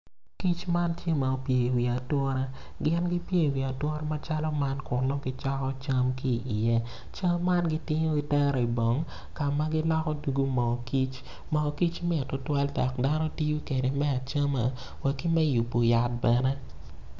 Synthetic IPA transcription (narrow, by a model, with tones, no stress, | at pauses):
ki˦t͡ʃma˦ntje˦ma˨o˨pje˨wi˨a˨twɔ˦ɾa˦ɡɪ˦nɡi˦pje˦˨wi˨a˨twɔ˦ɾa˦ma˦t͡ʃa˦lɔ˦ma˦nkʊ˨rlɔ˦ɡi˦t͡ʃa˦kɔ˦t͡ʃa˦mki˦ʔːjɛ˦ | t͡ʃa˦mːa˦nɡi˦tɪ˦ɲo˦i˨tɛ˦ɾɔ˨i˨bo˨ŋ | ka˨ma˦ɡɪ˦lɔ˦kɔ˦du˨ɡu˦mɔ˨ki˦t͡ʃ | mɔ˨ki˦t͡ʃmɪ˦˨tɔ˨twa˦lda˨kda˦nɔ˦ti˦ju˦ke˨de˨mɛ˦a˨t͡ʃa˦ma̰˨ | wɛ˨ki˦mɛ˦ju˨pːo˨ja˨t̚bɛ˨nɛ˦